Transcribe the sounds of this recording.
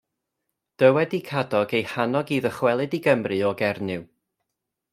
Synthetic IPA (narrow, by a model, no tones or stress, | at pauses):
d̥əwɛdikʰadɔɡejhanɔɡiːðəχwɛlˠɨdiɡəmrɨɔɡɛrnɨw